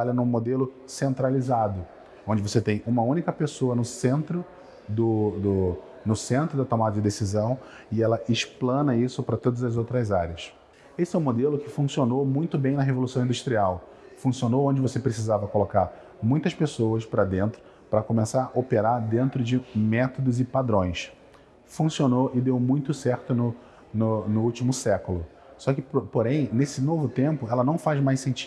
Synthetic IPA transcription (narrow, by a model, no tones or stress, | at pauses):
alɐnũmod̪elʊ | sẽnt̪ɾalizad̪ʊ | õd͡ʒɪvoset̪ẽj̃ũmɐũnikɐpesoɐnʊsẽnt̪ɾʊ | d̪ʊd̪ʊ | nʊsẽnt̪ɾʊd̪ɐt̪omad̪ʊd͡ʒɪd̪esizɐ̃w̃ | ɪɛlɐʔɪʃplɐ̃nɐisʊpɾɐt̪od̪ɐzɐzowt̪ɾɐzaɾʲiɐs | esɪɛũmod̪elʊkɪfũsionowmũj̃t̪ʊbẽj̃nɐɦevolusɐ̃w̃ĩd̪uʃt̪ɾiaw | fũsionoõd͡ʒɪvosepɾesizavɐkolokaɾ | mũj̃t̪ɐʃpesowɐspɾɐd̪ẽnt̪ɾʊ | pɾɐkomesaɾʔopeɾaɾd̪ẽnt̪ɾʊd͡ʒɪmɛt̪od̪ʊzɪpad̪ɾõj̃s | fũsionoʔɪd̪ewmũj̃t̪ʊsɛɾt̪ʊnʊ | nʊnʊut͡ʃimʊsɛkʊlʊ | sɔkɪppoɾẽj̃nesɪnovʊt̪ẽmpʊɛlɐnɐ̃w̃fajzmajsẽnt͡ʃi̥